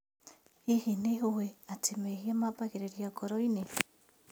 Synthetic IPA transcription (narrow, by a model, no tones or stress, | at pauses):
ihineɦuweatimehiamapakeɾeɾiakoɾoine